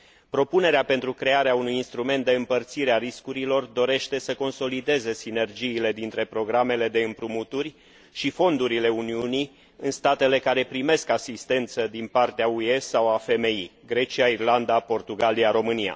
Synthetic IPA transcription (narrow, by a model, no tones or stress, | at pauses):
pɾo̞pune̞ɾeape̞nt̪ɾukɾe̞aɾeaunujinst̪ɾume̞nt̪̚d̪e̞ɨmpərt̪siɾeaɾiskuɾilo̞rd̪o̞ɾe̞ʃt̪e̞səko̞nso̞lid̪e̞ze̞sine̞rd͡ʒiːle̞d̪int̪ɾe̞pɾo̞ɡɾame̞le̞d̪e̞ɨmpɾumut̪urʲ | ʃifo̞nd̪uɾile̞uniuni | ɨnst̪at̪e̞le̞kaɾe̞pɾime̞skasist̪e̞nt̪səd̪inpart̪eaue̞sawafe̞me̞iɡɾe̞t͡ʃiairland̪apo̞rt̪uɡaliaɾo̞mɨnia̰